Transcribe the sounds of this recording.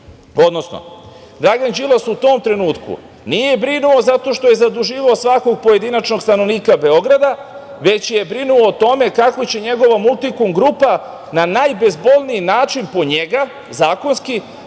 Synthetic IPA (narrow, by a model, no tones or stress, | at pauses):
o̞d̪nosno̰ | d̪ɾaɡand͡ʒilasut̪o̞ːmt̪ɾe̞nuːt̪kṵ | nije̞bɾinuo̞zat̪o̞ʃt̪o̞je̞zad̪uʒiːʋaosʋako̞ɡ̚poje̞d̪inat͡ʃno̞ɡst̪ano̞ʋniːkabe̞o̞ɡɾad̪a | ʋe̞t͡ɕje̞bɾinuoːt̪o̞me̞kakʋot͡ɕe̞ɲe̞ɡo̞ʋamulˠt̪ikumɡɾupa | nanajbe̞zbo̞lniinaːt͡ʃinpo̞ɲe̞ɡa | zaːko̞nski